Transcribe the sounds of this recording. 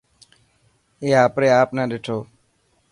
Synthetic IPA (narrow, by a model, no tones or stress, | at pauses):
eːaːpɾeːaːpnãːɗeːʈʰoː